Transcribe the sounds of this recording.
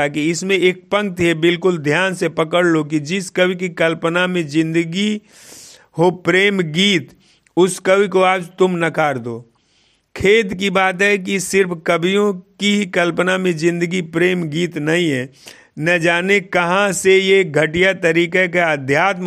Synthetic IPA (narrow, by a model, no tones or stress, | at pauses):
akiɪsmẽeːk̚pə̃ŋk̚t̪ebɪlkʊld̪ʱjaːnsepəkəɽlok̬id͡ʒɪskəbikikəlpənamẽzɪ̃nd̪əɡi | ɦopɾeːmɡiːt̪ | ʊskəbikoaːd͡ʒt̪ʊmnɐkaːɾd̪oː | kʰeːd̪kibaːt̪ɦɛk̬isɪɾpʰkəbʱijõkiɦikəlpənamẽzɪ̃nd̪əɡipɾeːmɡiːt̪nɐɦĩɦɛ | nɐd͡ʒaːnekɐɦãsejeɡʱəʈijat̪əɾiːkekeəd̪ʱjaːt̪m